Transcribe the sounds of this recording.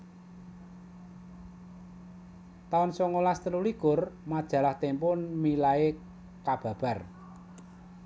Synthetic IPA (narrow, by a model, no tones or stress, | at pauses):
t̪aɔnsɔŋolast̪ənuliɡ̥ʊrmad̥ʒ̥a̤laht̪empʊnmilae | kab̥ä̤b̥a̤r